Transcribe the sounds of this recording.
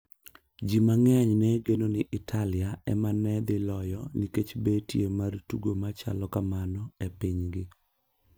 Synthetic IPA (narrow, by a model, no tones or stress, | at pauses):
d͡ʒimaŋɛaɲnɛɡenonɪʔɪtʰalɪaɛ̰manɛd̪ɪlɔjɔniket͡ʃbetjemartuɡomat͡ʃa̰lɔkamanɔepiɲɡɪ